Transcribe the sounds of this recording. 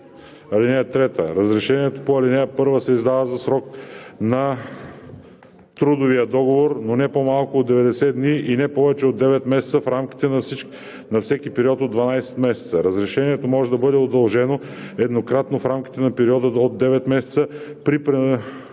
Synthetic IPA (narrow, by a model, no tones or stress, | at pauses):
ɐlinɛət̪ɾɛt̪əɾɐzɾɛʃɛniɛt̪opoɐlinɛəpɤɾvəsɛizd̪avəzɐsɾɔknɐ | t̪ɾud̪ovijəd̪ɔɡovoɾnonɛpomalˠkʊːd̪ɛvɛd̪ɛsɛd̪niʔinɛpɔvɛt͡ʃɛod̪ːɛvɛt̪mɛsɛt̪səfɾamki̥t̪ɛnɐsi | nɐfsɛkipɛɾiɔt̪od̪vɐnajsɛ̥t̪mɛsɛ̥t̪səɾɐzɾɛʃɛniɛt̪omɔʒɛd̪ɐbɤd̪ɛod̪ɐlˠʒɛno | ɛd̪nokɾat̪nofɾamk̟i̥t̪ɛnɐpɛɾiɔd̪əod̪ːɛvɛt̪mɛsɛt̪səpɾipɾɛ